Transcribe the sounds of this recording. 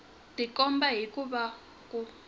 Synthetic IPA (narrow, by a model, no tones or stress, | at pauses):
d̥ʱikɔmbaɦikʼuɓa | kʼu